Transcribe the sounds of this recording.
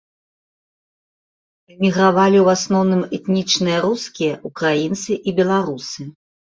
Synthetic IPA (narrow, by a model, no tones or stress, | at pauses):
ɛmʲiɣɾavalʲiwasnɔwnɨmɛt̪nʲit͡ʂnɨjɐɾuskʲijɐʔukɾajint̪sɨʔibʲɛlˠaɾusɨ